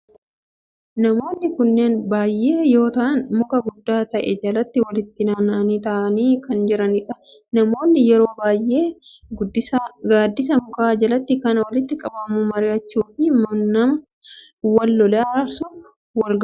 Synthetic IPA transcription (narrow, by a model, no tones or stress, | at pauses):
nɐmo̞ːnːɪkʊnːe̞ːnbaːjːe̞ːjo̞ːt̪ɐʔɐnmʊkɐɡʊd̪ːaːt̪ɐʔɛd͡ʒɐlɐt̪ːɪwɐlɪt̪ːɪnaːnːɐniːt̪ɐʔɐniːkɐnd͡ʒɪɾɐnɪᶑɐ | nɐmo̞ːnːɪjɛɾo̞ːbaːjʔe̞ː | ɡʊd̪ːɪsaɡaːd̪ːɪs̬ɐmʊkaːd͡ʒɐlɐt̪ːɪkɐnɐwɐlɪt̪ːɪkʼɐbɐmʊmɐɾɪɐt͡ʃːuːfɪmɐnɐmɐ | wɐlːɔlɛɐɐɾsuf | wɐlɡɐ